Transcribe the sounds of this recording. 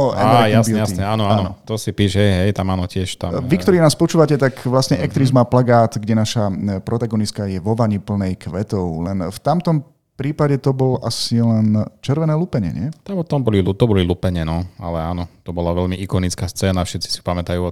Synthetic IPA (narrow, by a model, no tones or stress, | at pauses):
ɔɛ̰ajaasuɛjanɛaːnɔanɔt̪ɔsipiːʒɦɛjɦɛjt̪amaːnɔcɪɛʃt̪amʋikkt̪ɔɾiːnaːspɔt͡ʃuːʋacɛt̪akʋlasɲɛʔɛk̚t̪ɾizmaplaɡaːt̪ɡɟɛnaʃapɾɔt̪aɡɔniskajɛʋɔʋaɲipl̩nɛjkʋɛt̪ɔʊlɛnft̪amt̪ɔm | pɾiːpaɟɛt̪ɔbɔlʔasilɛnt͡ʃɛɾʋɛnɛːlupɛɲɛ̰ɲɛt̪aɔt̪ɔmbɔlilut̪ɔbɔlilupɛɲɛnɔa̰lɛaːnɔt̪ɔbɔlaʋɛʎmiʔikɔnit͡skaːst͡sɛːnafʃɛt̪t͡si̥sipamɛt̪ajuɔ